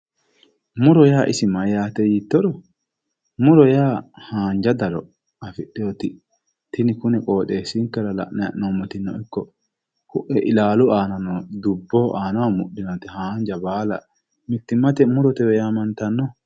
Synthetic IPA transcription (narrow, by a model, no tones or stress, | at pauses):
mʊɾɔjaːʔɪsɪmɐjaːt̪ɛjiːt̪ːɔɾɔ | mʊɾɔjaːhaːnd͡ʒɐd̪ɐɾɔ | ɐfɪɗːɛɔt̪ɪ | t̪ɪnɪkʊnɛkʼoːt̪ʼeːsɪŋkːɛɾɐlɐ̰ʔnɐʔnɔmɔt̪ɪnːɔ̰ɪkːɔ | kʊʔɛʔɪlaːlʊaːnɐnɔd̪ʊbːɔʔaːnɐwamʊʔɗɪnot̪ɪhaːnd͡ʒɐbaːlɐ̰ | mɪt̪ːɪmːɐt̪ɛmʊɾɔt̪ɛwɛjaːmɐnt̪ɐnːɔ